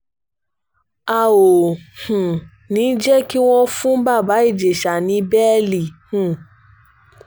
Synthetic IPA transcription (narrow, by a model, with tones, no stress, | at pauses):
a˨o˨hũ˨ | nĩ˨˦d͡ʒɛ˦ki˦w̃ɔ̃˧fũ˦ba˦˨ba˨˦i˦˨d͡ʒe˨ʃa˨nĩ˨˧˦bɛ˦li˨hũ˨